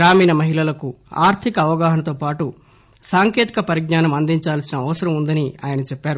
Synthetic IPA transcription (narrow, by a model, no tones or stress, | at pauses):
ɾaːmiːnɐmɐɦilɐlɐkua̰ːɾt̪ʰikɐːʋɐɡaːɦɐnɐt̪oːpaːʈu | saːŋkje̞ːt̪i̥kɐpɐɾiɡ̚naːnɐmɐnd̪iɲt͡ʃaːlsinɐːʋɐsɐɾɐmund̪ɐniaːjɐnɐt͡ʃɛpːaːɾu